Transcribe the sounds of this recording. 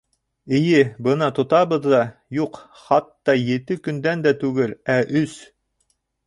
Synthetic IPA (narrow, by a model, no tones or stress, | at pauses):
ɘ̆jɘbɤnɑt̪ŏt̪ɑβɤ̆ðːɑjuq | χɑt̪ːɑjɘ̆t̪ɘkɵ̆nd̪ænd̪æt̪ʉɡɘlæʔɵs